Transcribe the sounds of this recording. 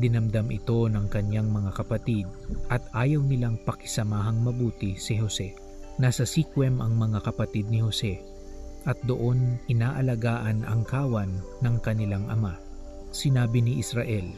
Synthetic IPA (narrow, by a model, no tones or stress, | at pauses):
d̪ɪnɐmd̪ɐmʔɪt̪o̞nɐŋkɐnjaŋmɐŋakɐpɐt̪id̪̚ʔɐt̪ʔaːjɐwnɪlaŋpɐkɪ̥sɐmaːɦɐŋmɐbuːt̪ɪsɪɦo̞sɛ | nasɐsikwɛmʔɐŋmɐŋakɐpɐt̪id̪̚nɪho̞sɛ | ʔɐt̪̚d̪oʔo̞nʔɪnaːʔɐlɐɡaːʔɐnʔɐ̰ŋkaːwɐnːɐŋkɐnɪlaŋʔɐma | sɪnaːbɪnɪʔɪsɾɐʔɛl